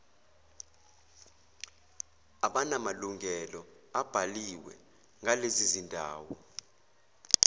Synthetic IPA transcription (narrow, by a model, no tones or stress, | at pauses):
aɓanamaluŋʱɛlɔ | ab̥ʱaliwɛ̰ | ŋʱalezizindʱa̰ːwɔ